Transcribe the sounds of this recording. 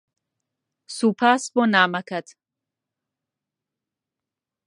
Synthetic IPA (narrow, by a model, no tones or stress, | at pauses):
suːpʰaːsbɔnaːmɐkʰɐd̪